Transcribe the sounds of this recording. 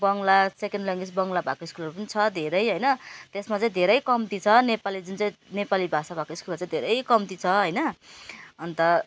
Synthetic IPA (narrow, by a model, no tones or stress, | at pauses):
bʌŋlasekenɖlʌŋɡit͡sbʌŋlabʱa̰koiskulʌɾupʌnit͡sʰʌd̪ʱeɾʌjɦʌjnʌt̪esmat͡saĩd̪ʱeɾʌjkʌmt̪it͡sʰʌnepalid͡zunt͡saĩnepalibʱasabʱakoiskulʌt͡sãĩd̪ʱeɾʌjkʌmt̪it͡sʰʌɦʌjnʌ | ʌnt̪ʌ